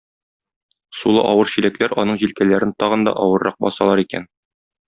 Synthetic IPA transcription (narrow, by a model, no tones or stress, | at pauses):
sulˠɤ̰ʔɒwɤɾɕilæklæɾɒnɤɴʑilkælæɾɘnt̪ɒʁɤ̆nd̪ɒ̰ʔɒwɤ̆ɾːɑq̚bɒ̰sɑlˠɑɾikæ̰n